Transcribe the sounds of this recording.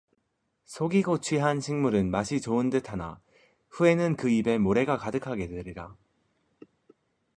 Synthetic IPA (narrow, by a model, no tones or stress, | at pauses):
sʰoɡiɡot͡ɕʰɥiɦanɕʰiŋmuɾɯnmaɕʰit͡ɕoɯndɯtʰana̰ | ɸue̞nɯnkɯibe̞moɾe̞ɡakadɯkʰaɡe̞teɾiɾa